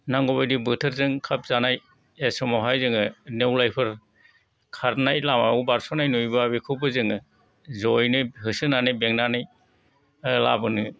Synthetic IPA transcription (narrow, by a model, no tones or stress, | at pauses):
naŋɡɔβajdibɯtʰɯɾzɯŋkʰap̚zanaj | esɔmɔɦajzɯŋɯnewlajpʰɯɾ | kʰaɾnajlamaɔwbaɾsɔnajnujbabikʰɯbɯzɯŋɯ | zɔjnɯɦɯsɯnanɯjbeŋnanɯj | labɯnɯ